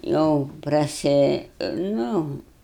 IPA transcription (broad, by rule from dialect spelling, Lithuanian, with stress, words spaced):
ˈjɛʊ prɐˈsʲɪ ˈnʊ